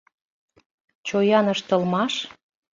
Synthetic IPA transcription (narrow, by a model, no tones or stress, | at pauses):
t͡ɕojɑnəʃt̪ə̆lmɑʃ